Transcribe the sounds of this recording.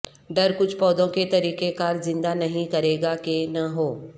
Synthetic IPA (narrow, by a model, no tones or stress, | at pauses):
ɖɐɾkʊt͡ʃʰpɔːd̪õket̪ɐɾiːqekaːɾzɪ̃nd̪anɐɦĩkɐɾeːɡakenɐɦoː